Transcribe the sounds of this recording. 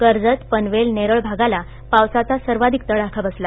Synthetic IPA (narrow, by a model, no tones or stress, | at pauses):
kəɾd͡zət̪pənʋelneɾəɭbʱaɡala | pawsat͡sasəɾʋad̪ʱik̚t̪əɽakʰabəsla